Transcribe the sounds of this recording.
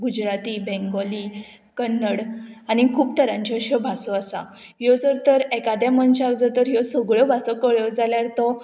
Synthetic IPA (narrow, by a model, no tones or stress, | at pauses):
ɡud͡ʑɾat̪iːbɛ̃ŋɡɔliː | kənːəɽanikʰuːp̚t̪əɾãɲt͡ɕiəɕəbʱasɔasa̰ | jɔd͡zəɾt̪əɾɛkad̪jamənt͡ɕaaɡd͡zət̪əɾjɔsɔɡɭjɔbʱasɔkəɭjɔd͡zaljaɾt̪ɔ